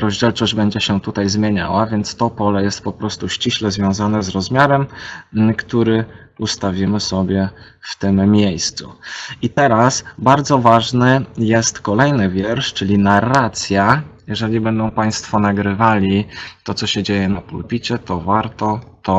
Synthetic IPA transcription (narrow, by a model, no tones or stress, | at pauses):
ɾɔʑd͡ʑɛlt͡ʂɔʑd͡ʑbɛɲd͡ʑɛɕɛt̪ut̪ajzmʲjeɲa̰wavʲjɛnt̪st̪ɔpɔlɛjɛst̪̚pɔpɾɔst̪uɕt͡ɕiɕlɛzvʲjɔ̃w̃zanɛzɾɔzmʲjaɾɛmkt̪uɾɘ | ust̪avʲimɘsɔbʲjɛ | ft̪ɘmːʲjejst̪sṵit̪ɛɾasbaɾd̪zɔvaʐnɘjɛst̪kɔlɛjnɘvʲjɛɾʂt͡ʂɘlʲinarːat̪sʲjajɛʐɛlʲibɛnd̪ɔ̃w̃paj̃st̪fɔnaɡɾɘvalʲit̪ɔt̪ɔɕɛd͡ʑejɛnapulpʲit͡ɕɛt̪ɔvaɾt̪ɔt̪ɔ